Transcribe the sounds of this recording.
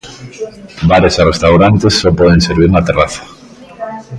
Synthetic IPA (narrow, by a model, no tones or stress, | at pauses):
baɾesarest̪awɾant̪esːɔpɔðeŋseɾβ̞iɾnat̪eraθḁ